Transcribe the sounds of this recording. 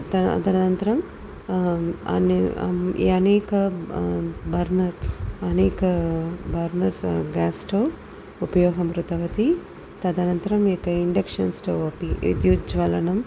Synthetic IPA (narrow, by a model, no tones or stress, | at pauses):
t̪ɐɐ̰t̪ɐnɐnɐnt̪ɐɾɐm | ɐ̰n | ḭːɐnɛːkɐ | bʱɐɾnɐɾɐnɛːkɐbʱɐɾnɐɾsɡaːsʈoː | upɐjɔːɡɐmɾut̪ɐʋɐt̪i | t̪ɐd̪ɐnɐnt̪ɐɾɐmekɐiɳɖekʂɐnsʈoːɐpiḭd̪jud͡ʒʋɐlɐnɐm